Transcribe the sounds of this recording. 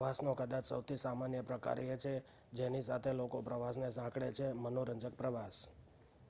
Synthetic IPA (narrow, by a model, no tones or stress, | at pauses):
asnokəd̪at͡ʃsəwt̪ʰisamanjəpɾəka̰ɾjet͡ʃʰe | d͡ʒenisat̪ʰelokopɾəʋas̬nesãkɽet͡ʃʰemənoɾəɲd͡ʒək̚pɾəʋas